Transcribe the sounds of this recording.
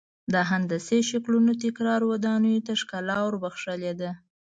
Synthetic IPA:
d̪ɑɦand̪əseʃaklunot̪ɪkɾɑɾwad̪ɑnəjot̪aʂkalɑwəɾbaxʂəled̪a

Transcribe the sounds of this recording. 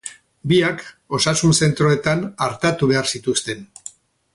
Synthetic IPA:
biak | o̞sasunse̞nt̪ɾo̞e̞t̪anaɾt̪at̪uβe̞aɾsit̪ust̪e̞n

